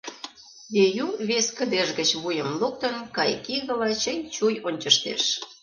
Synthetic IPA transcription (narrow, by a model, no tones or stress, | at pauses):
d̪ejuβeskə̆d̪eʒɣət͡ɕβujəmluk̚t̪ə̆nkɑjkiɣə̆lɑt͡ɕənʲt͡ɕujonʲt͡ɕə̆ʃt̪ḛʃ